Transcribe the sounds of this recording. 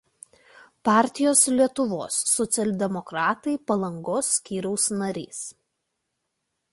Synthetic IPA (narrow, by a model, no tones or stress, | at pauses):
pɑːˑɾʲt̪ʲɪjoːslʲiɛt̪ʊʋo̰ːsːɔt̪sʲɛlʲd̪ʲɛmɔkɾɑːt̪ɐɪpɐlˠɐŋɡoːsːʲkʲiːɾʲɛʊsnɐɾʲḭːs